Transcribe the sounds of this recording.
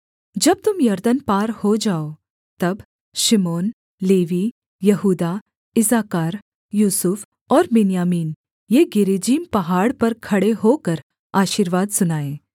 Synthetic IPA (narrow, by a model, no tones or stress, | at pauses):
d͡ʒɐb̚t̪ʊmjɐɾd̪ənpaːɾhod͡ʒaːoː | t̪ɐb | ʃɪmoːn | leːʋi | jɐɦuːd̪a | ɪzaːkaːɾ | juːsʊf | ɔːɾbɪnijaːmiːn | jeːɡɪɾed͡ʒiːmpɐɦaːɽpɐɾkʰɐɽeɦoːkɐɾ | aːʃiːɾʋaːd̪sʊnaːeː